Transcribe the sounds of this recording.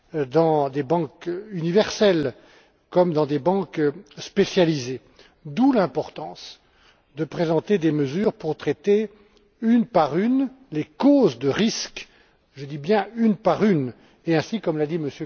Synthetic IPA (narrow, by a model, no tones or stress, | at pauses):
d̪ɑ̃d̪ebɑ̃kynivɛʁsɛl | kɔmd̪ɑ̃d̪ebɑ̃kspesjalize | d̪ulɛ̃pɔʁt̪ɑ̃s | d̪əpχezɑ̃t̪ed̪eməzyːʁpuʁt̪χɛt̪e | ynpaʁyn | lekozd̪əʁisk | ʒəd̪ibjɛ̃ynpaʁyn | eɛ̃sikɔmlad̪iməsjø